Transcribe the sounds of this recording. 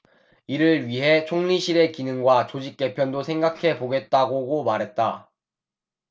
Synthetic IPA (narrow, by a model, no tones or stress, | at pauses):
iɾɯɭɥiɦe̞t͡ɕʰoŋɲiɕʰiɾe̞kinɯŋɡwat͡ɕod͡ʑik̚k͈e̞pʰjʌndosʰe̞ŋɡakʰe̞poɡe̞t̚t͈aɡoɡomaɾɦe̞t̚t͈a